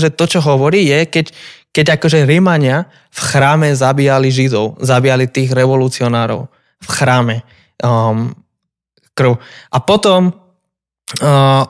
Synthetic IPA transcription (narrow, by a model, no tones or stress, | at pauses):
ʒɛt̪ɔt͡ʃɔɦɔʋɔɾiːjɛkɛckɛɟakɔʒɛɾimaɲɪa | fxɾaːmɛzabiːjaliʒid̪ɔʊzabiːjalit̪iːɣɾɛʋɔlut͡siɔnaːɾɔ̰ʊ | fxɾaːmɛ | krʊʔapɔt̪ɔm